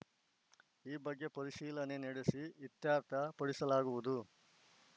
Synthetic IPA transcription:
iːbɐɡːe̞pɐɾiʃiːlɐne̞nɛɽesiʋit̪jaːɾt̪ʰɐpɐɽisɐlaːɡuʋud̪u

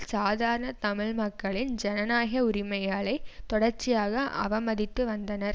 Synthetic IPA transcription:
saːðaːɾɐɳɐt̪ɐmɪɻmɐkːɐɭɪnd͡ʒɛnɐnaːɣɐʊɾɪmɐjaːɭɐɪt̪ɔɽɐɾt͡ʃɪjaːɣɐʔɐʋɐmɐðɪt̪ːɯʋɐnd̪ɐnɐɾ

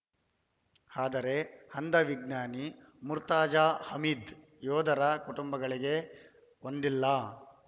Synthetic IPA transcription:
aːd̪ɐɾe̞hɐnd̪ɐʋiɡnaːni | muɾt̪aːd͡ʒaːhɐmiːd̪ | jɔːd̪ʱɐɾɐkuʈumbɐɡɐɭiɡe̞ | ond̪ilːɐ

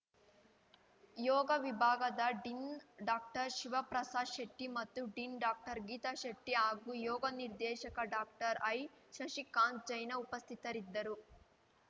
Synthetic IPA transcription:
jɔːɡɐʋibʱaːɡɐd̪ɐɖinɖaːk̚ʈɐɾʃiʋɐpɾɐsaːʃɐʈːimɐt̪ːuɖinɖaːk̚ʈɐɾɡiːt̪ɐʃɐʈːiaːɡujɔːɡɐniɾd̪ɛːʃɐkɐɖaːk̚ʈɐɾɐjʃɐʃikaːn̚d͡ʒɐjnɐupɐst̪ʰit̪ɐɾid̪ːɐɾu

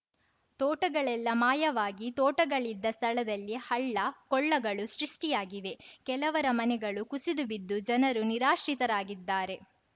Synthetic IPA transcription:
t̪ɔːʈɐɡɐɭɛlːɐmaːjɐʋaːɡit̪ɔːʈɐɡɐɭid̪ːɐst̪ʰɐɭɐd̪ɐlːihɐɭːɐkɔɭːɐɡɐɭusɾiʂʈijaːɡiʋe̞kɛlɐʋɐɾɐmɐnɛɡɐɭukusid̪ubid̪ːud͡ʒɐnɐɾuniɾaːʃɾit̪ɐɾaːɡid̪ːaːɾe̞

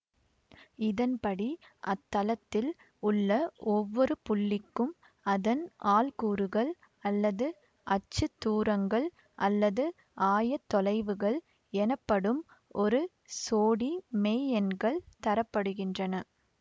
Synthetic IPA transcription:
ɪðɐnpɐɽiʔɐt̪ːɐlɐt̪ːɪl | ʊɭːɐɔʋːɔɾɯpʊɭːɪkːɯm | ɐðɐnaːlkuːɾɯɣɐɭ | ɐlːɐðɯ | ʔɐt͡ʃːɯt̪ːuːɾɐŋɡɐɭ | ʔɐlːɐðɯ | aːjɐt̪ːɔlɐɪʋɯɣɐɭ | ɛnɐpːɐɽɯm | ɔɾɯ | soːɽimɛːɛnɡɐɭt̪ɐɾɐpːɐɽɯɣɪndrɐnɐ

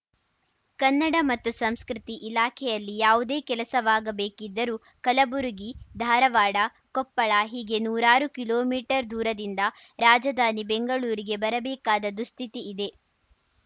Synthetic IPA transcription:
kɐnːɐɽɐmɐt̪ːusɐmskɾit̪iʔːlaːkʰɛjɐlːijaːʋud̪eːkɛlɐsɐʋaːɡɐbeːkid̪ːɐɾuː | kɐlɐbuɾuɡid̪ʱaːɾɐʋaːɽɐ | kɔpːɐɭɐɦiːɡe̞nuːɾaːɾukiloːmiːʈɐɾd̪uːɾɐd̪ind̪ɐ | ɾaːd͡ʒɐd̪aːnibeŋɡɐɭuːɾiɡe̞bɐɾɐbɛːkaːd̪ɐd̪ust̪ʰit̪iʔid̪e̞

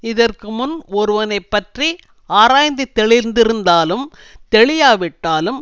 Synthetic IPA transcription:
ɪðɐrkɯmʊnɔɾɯʋɐnɐɪpːɐʈri | aːɾaːjnd̪ɯt̪ːɛɭɪɾnd̪ɪɾɯnd̪aːlɯm | t̪ɛɭɪjaːʋɪʈːaːlɯm

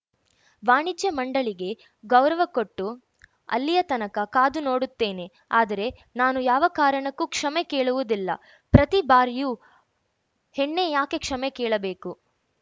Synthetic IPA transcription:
ʋaːɳid͡ʒjɐmɐɳɖɐɭiɡe̞ | ɡɐwɾɐʋɐko̞ʈːu | ɐ̰lːijɐt̪ɐnɐkɐkaːd̪uno̞ːɽut̪ːe̞ːne̞ | aːd̪ɐɾe̞naːnujaːʋɐkaːɾɐɳɐkːukʂɐmekeːɭuʋud̪ilːɐ̰ | pɾɐt̪ibaːɾijuː | heɳːe̞jaːke̞kʂɐmɛkeːɭɐbeːku

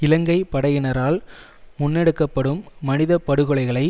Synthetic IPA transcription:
ɪlɐŋɡɐɪpɐɽɐjɪnɐɾaːl | mʊnːɛɽɯkːɐpːɐɽɯmːɐnɪðɐpɐɽɯɣɯɭɐɪɣɐɭɐɪ

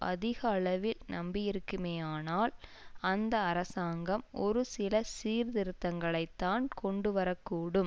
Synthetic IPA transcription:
ʔɐ̰ðɪɣɐːɭɐʋɪlnɐmbɪjɪɾɯkːɯmeːjaːnaːlɐnd̪ɐːɾɐsaːŋɡɐmɔ̰ɾɯsɪlɐsiːɾðɪɾɯt̪ːɐŋɡɐɭɐɪt̪ːaːnkɔɳɖɯʋɐɾɐkːuːɽɯm

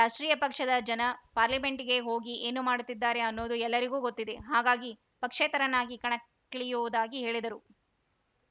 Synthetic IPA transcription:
ɾaːʂʈɾiːjɐpɐkʂɐd̪ɐd͡ʒɐnɐpaːɾlime̞ɳʈiɡe̞ɦo̞ːɡiʔeːnumaːɽut̪ːid̪ːaːɾe̞ɐnːo̞ːd̪uɛlːɐɾiɡuːɡot̪ːid̪e̞ɦaːɡaːɡi | pɐkʂeːt̪ɐɾɐnːaːɡikɐɳɐ | ɭijuʋud̪aːɡiɦe̞ːɭid̪ɐɾu

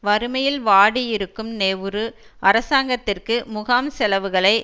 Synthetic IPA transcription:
ʋɐɾɯmɐjɪlʋaːɽiɪɾɯkːɯmneːʋɯɾɯ | ʔɐɾɐsaːŋɡɐt̪ːɪrkɯmʊɣaːmsɛlɐʋɯɣɐɭɐɪ

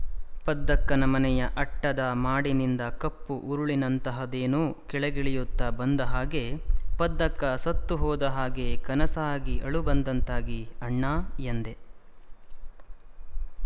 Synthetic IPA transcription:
pɐd̪ːɐkːɐnɐmɐnɛjɐʔɐʈːɐd̪ɐmaːɽinind̪ɐkɐpːuʔuɾuɭinɐnt̪ɐɦɐd̪eːnuːkɛɭɛɡiɭijut̪ːɐbɐnd̪ɐɦaːɡe̞pɐd̪ːɐkːɐsɐt̪ːuɦɔːd̪ɐɦaːɡekɐnɐsaːɡiʔɐɭubɐnd̪ɐnt̪aːɡiɐɳːaːjɐnd̪e

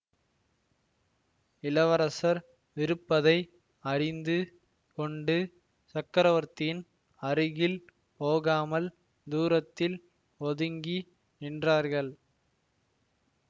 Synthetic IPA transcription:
ɪlɐʋɐɾɐsɐɾ | ʋɪɾɯpːɐðɐɪ | ɐrɪnd̪ɯ | kɔɳɖɯ | sɐkːɐɾɐʋɐɾt̪ɪjɪn | ɐrɯɣɪl | poːɣaːmɐl | d̪uːɾɐt̪ːɪl | ɔðɯŋɡi | ɛndraːɾɣɐɭ

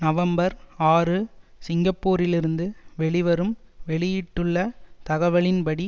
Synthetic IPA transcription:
nɐʋɐmbɐɾaːrɯsɪŋɡɐpːuːɾɪlɪɾɯnd̪ɯʋɛɭɪʋɐɾɯmʋɛɭɪjɪʈːɯɭːɐt̪ɐɣɐʋɐɭɪnpɐɽi

